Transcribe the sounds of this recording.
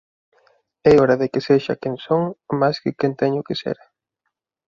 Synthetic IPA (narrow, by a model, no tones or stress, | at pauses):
ɛoɾaðekɪseʃa̰keŋsoŋmajskɪkent̪ɛɲʊkɪsḛɾa